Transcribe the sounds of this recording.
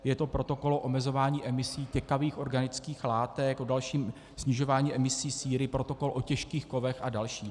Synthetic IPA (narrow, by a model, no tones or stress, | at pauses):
jɛt̪o̞pɾo̞t̪o̞ko̞loʔomɛzo̞vaːɲiːʔɛmɪsiːcɛkaviːxʔo̞ɾɡanɪt͡skiːxlaːt̪ɛkʔodalʃiːm | sɲɪʒo̞vaːɲiːʔɛmɪsiːsiːɾɪpɾo̞t̪o̞ko̞lʔocɛʃkiːxko̞vɛxʔadalʃiː